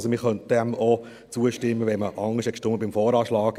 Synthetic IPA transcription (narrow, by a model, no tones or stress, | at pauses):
somɪχœnt̚d̥ɛmo | t͡suəʃtɪmːəʋɛnməʔɑŋːəʃɛkʃtʊməbɪmfɔːɾɑːʃlɑːɡ